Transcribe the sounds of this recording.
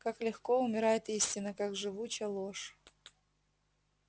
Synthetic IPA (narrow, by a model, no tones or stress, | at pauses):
kaklʲɪxkoʊmʲɪɾajɪt̪isʲtʲɪnəkakʐɨvut͡ɕɐlˠoʂ